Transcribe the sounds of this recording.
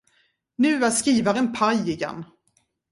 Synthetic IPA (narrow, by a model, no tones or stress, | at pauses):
nʉ̟ːaskiːvaɾɛnpʰajɪɡɛ̰nː